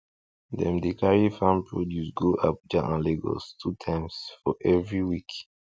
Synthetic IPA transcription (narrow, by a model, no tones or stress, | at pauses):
dɛ̰mdikʰaɹifãmpʰɹɔdjusɡoʔap̚d͡ʒaʔãnleɡɔ̰stʰutʰãɪ̃msfɔʔɛvɹiwik